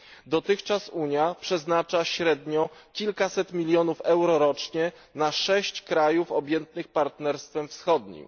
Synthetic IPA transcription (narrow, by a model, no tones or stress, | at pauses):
d̪ɔt̪ɘxt͡ʂasuɲjapʂɛznat͡ʂaɕɾɛd̪ɲɔkʲilkasɛt̪mʲilʲjɔnufɛwɾɔɾɔt͡ʂɲɛ | naʂɛɕt͡ɕkɾajufɔbʲjɛnt̪nɘxpaɾt̪nɛɾst̪fɛmfsxɔd̪ɲḭm